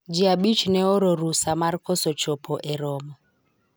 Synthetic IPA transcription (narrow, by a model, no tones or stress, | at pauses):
d͡ʒiaɓit͡ʃnɛɔɾɔɾusamaɾkɔsɔt͡ʃɔpʰɔʔɛɾɔmɔ